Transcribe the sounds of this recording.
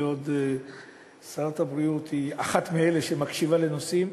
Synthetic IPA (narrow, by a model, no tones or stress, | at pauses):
od̪ | saʁat̪abɾiut̪iaχat̪mieleʃemakʃivale̞nosim